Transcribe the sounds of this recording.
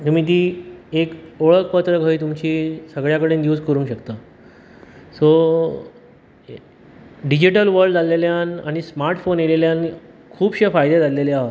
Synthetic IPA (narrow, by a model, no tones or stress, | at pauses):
t̪um̤iːt̪̬iːekoɭəkpət̪ɾəɡʱəiːt̪̬umt͡ɕiːsəɡɭjakəɽeːnd̪juːd͡zkəɾũŋkɕəkt̪əː | so | ɖid͡ʑiʈəlʋəɾɖd͡zaleljanaɽ̃ismaɾʈfonjeleljan | kʰuːbɕefajd̪ed͡zaleleaɦo